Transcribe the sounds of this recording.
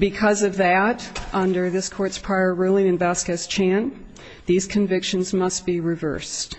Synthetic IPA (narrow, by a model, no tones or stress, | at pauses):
bɨkʰʌzʌvðɨɾʔʌ̃ndə˞ðɪskʰɔɹtspʰɹ̥aɪə˞ɹulˠɪ̃nɨ̃nbæskɨz̥t͡ʃʰæ̃n | ðiz̥kʰɨ̃ɱvɪkʃɨ̃nzmʌst̚b̥iɹɨvɜ̰˞st